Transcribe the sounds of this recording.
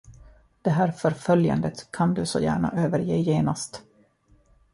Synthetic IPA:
d̪̥ɛɦæːɾfœɾfœlja̰nd̪ət̪kʰand̪ɵsɔ̰jæ̰ːɳa̰ʔøːvəɾjeːjeːnast̪

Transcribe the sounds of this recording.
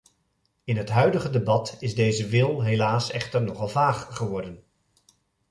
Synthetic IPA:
ɪnɦətɦœɥdəχədebɑtɪzdejzəʋɪlˠɦelaːsɛχtəɹnɔχɑlˠvaːχχəʋɔɹdən

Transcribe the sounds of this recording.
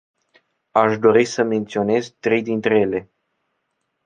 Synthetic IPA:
aʃd̪o̞ɾisəme̞nt̪sio̞ne̞zt̪ɾe̞jd̪int̪ɾe̞jele̞

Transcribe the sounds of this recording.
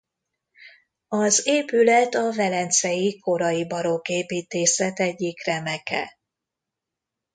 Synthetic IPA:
ɒzeːpylɛt̪ɒvɛlɛnt̪sɛjiko̞ɾɒjibɒɾokeːpiːt̪eːsɛt̪ɛɟːikrɛmɛkʰɛ̰

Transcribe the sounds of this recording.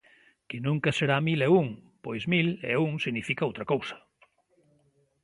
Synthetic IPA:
kɪnũŋkɐseɾamilɛuŋpojzmilɛ̰uŋsiɣnifikaowt̪ɾɐkowsɐ̥

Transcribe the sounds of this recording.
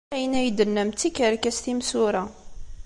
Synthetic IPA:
æjənæjd̪ənːəmt̪ːikəɾkæst̪imsuɾaɑ

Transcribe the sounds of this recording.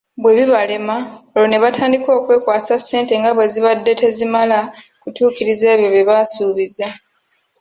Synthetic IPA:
bwe̞βiβale̞maolo̞ne̞βatʰaːndiko̞ːkwe̞ːkwaːsasːe̞ːnte̞ŋɡaβwe̞ziβadːe̞te̞zimalakutuːkiɾize̞ːβjo̞βjeβasuːβiza

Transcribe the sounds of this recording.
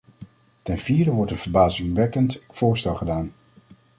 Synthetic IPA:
tɛnviːdəʋɔɹtənv̥əɹbaːzɪŋʋɛkəntfʊːɹstɛlˠχədaːn

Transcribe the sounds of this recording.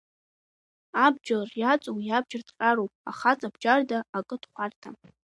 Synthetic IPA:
ab̚d͡ʒarjat͡sʼowjab̚d͡ʒardʰʼqʼaɾowpʼa̰χat͡sʼabd͡ʒardaːkʼɨdχʷartʰa

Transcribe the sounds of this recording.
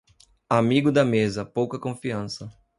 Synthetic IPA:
amiɡʊd̪ɐmezɐpowkɐkõfiɐ̃sɐ

